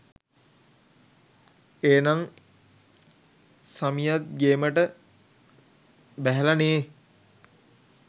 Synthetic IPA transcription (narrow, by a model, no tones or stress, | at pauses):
eːnaŋ | samijat̪̚ɡeːməʈə | bæɦɛlaneː